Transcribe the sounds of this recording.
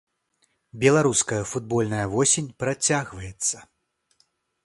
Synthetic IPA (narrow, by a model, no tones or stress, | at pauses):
bʲɛlˠaɾuskɐjɐfud̪̚bɔlʲnɐjɐvɔsʲenʲpɾat͡sʲaɣvɐjɛt̪sːɐ